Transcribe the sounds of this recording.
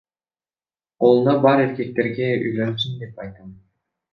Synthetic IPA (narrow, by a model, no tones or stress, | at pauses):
qolˠunɑbɑɾe̞ɾkʲe̞k̚t̪e̞ɾɡe̞y̰jlønys̬ynd̪e̞pɑjt̪ɑm